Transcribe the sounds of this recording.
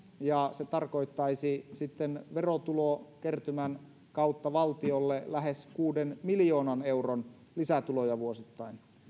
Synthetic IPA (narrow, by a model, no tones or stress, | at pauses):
jɑset̪ɑrko̞it̪ːɑisisit̪ːenʋerot̪ulokert̪ymæn | kɑut̪ːɑʋɑlt̪iolːelæɦeskuːdenmiljoːnɑneuron | lisæt̪ulojɑʋuosit̪ːɑin